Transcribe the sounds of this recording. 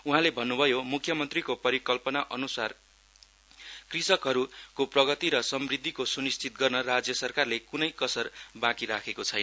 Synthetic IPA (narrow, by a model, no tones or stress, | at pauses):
uɦãlebʱʌnːubʱʌjomukʰjʌmʌnt̪rikopʌɾikʌlpʌnaʔʌnusar | krisʌkɦʌɾukoprʌɡʌt̪iɾʌsʌmrid̪ʱːikosunist͡sʰit̪̚ɡʌrnʌrad͡zjʌsʌrkarlekunʌjkʌsʌrbãkiɾakʰekot͡sʰʌjnʌ